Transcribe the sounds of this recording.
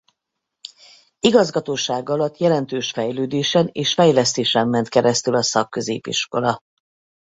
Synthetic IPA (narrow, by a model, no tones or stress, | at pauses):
iɡɒzɡɒt̪oːʃaːɡɒlɒt̪ːjɛlɛnt̪øːʃfɛjløːd̪eːʃɛneːʃfɛjlɛst̪eːʃɛmːɛnt̪kɛɾɛst̪ylɒsɒkːø̞zḛːpḭʃko̞lɒ